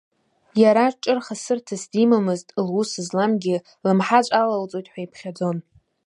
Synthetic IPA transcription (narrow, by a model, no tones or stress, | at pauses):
jaɾaʈ͡ʂʼɨrχasɨrtʰasdimamɨztʼlwusɨzlamɡʲɪ | lɨmħat͡ʃʷʼalalt͡sʼo̞jtʼħʷajpʰχʲad͡zo̞n